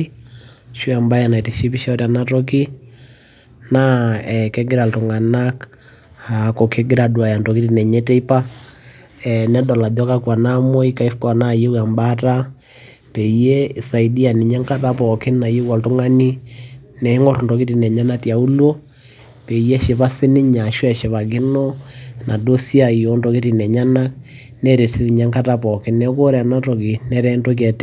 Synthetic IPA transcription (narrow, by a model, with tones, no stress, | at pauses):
ʃu˦a˨mba˦ja˨na˨i˨ti˨ʃi˦pi˦ʃɔ˦rja˨na˦tɔ˦ki˦ | na˦ɛkɛ˦ɡe˦ɾa˨lto˨ŋa˨na˦k | a˨ko˨kʰe˦ɡɪ˦ɾa˨dwa˨ja˨ntɔ˨ki˦ti˨nɛ˨ɲɛ˦tɛ˦i˦pa˦ | ɛnɛ˦dɔ˨la˨dɔ˦ka˦kwa˨na˦mɔ˦i˦ka˨i˦fka˨na˦˨je˦wa˨mba˦ta˦ | pɛ˨i˦je˦˨sa˨i˨di˦a˨ni˨ɲa˦ŋka˦ta˦pɔ˨ke˦nna˨je˦kwa˨to˦ŋa˦ni˦nɛ˨˦ŋɔ˦ɾu˨ndɔ˨ki˦ti˨nɛ˨ɲa˦na˦tja˨u˦lo˦ | pɛ˨i˨jɛ˦ʃe˨βa˦se˦ni˦ɲa˨ʃwɛ˨ʃɛ˨βa˨ɡi˦nɔ˦na˨do˦si˦a˦˨i˨o˦ndɔ˨˦ke˦ti˨nɛ˨ɲa˦na˦k | nɛ˦ɾe˨tʰe˦ði˨ɲa˦ŋka˦ta˦pɔ˨ke˦nːɛ˦ko˦ɾɛ˨a˨na˦to˨ki˨nɛ˦ɾɛ˦ndo˦k̬ɛ˨t